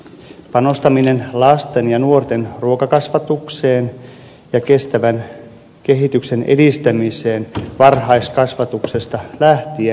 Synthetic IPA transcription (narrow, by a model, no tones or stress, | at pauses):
pɑno̞st̪ɑmine̞nlɑst̪e̞njɑnuort̪e̞nruo̞kɑkɑsʋɑt̪ukse̞ːn | jɑke̞st̪æʋæn | ke̞ɦit̪ykse̞nʔe̞̰dist̪æmise̞ːnʋɑrɦɑjskɑsʋɑt̪uksest̪ɑlæht̪ie